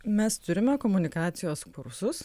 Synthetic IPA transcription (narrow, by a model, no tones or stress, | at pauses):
mʲɛst̪ʊɾʲɪmʲɛkɔmʊnʲɪkɑːt̪sʲɪjoːskʊɾsʊs